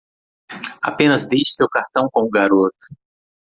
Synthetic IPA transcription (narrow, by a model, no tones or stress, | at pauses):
a̰pẽnɐzd̪ejʃɪ̥sewkaɾt̪ɐ̃w̃kõʊɡaɾot̪ʊ̥